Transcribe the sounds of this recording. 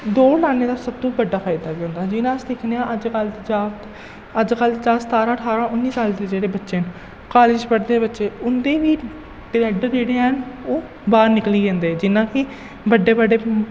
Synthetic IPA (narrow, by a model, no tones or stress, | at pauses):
d̪oːlaːneːd̪aːsəbt̪ũːbəɖːaːfʰaːijd̪aːbiːɦõnd̪aːd͡ʒɪnãːəsd̪ekʰneãːʔəd͡ʒkəld͡ʒaːt̪ | əd͡ʒkəlt͡ʃaːsət̪aːɾãːʈʰaːɾãːʊnːiːsaːld̪eːd͡ʒeːɽeːbətːʃeːn | kaːlɪd͡ʒpəɽd̪eːbətːʃeːʊnd̪eːʋiː | ʈɪɾɛːɖəɾd͡ʒeːɽeːənoː | baːɾnɪkliːd͡ʒɛ̃ːnd̪eːd͡ʒɪnːãːkiː | bəɖːeːbəɖeː